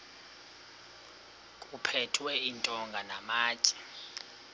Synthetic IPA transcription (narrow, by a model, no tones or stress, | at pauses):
kʼupʰɛtʰwɛintʼɔŋɡʱanamaːt͡ʃʼɛ̥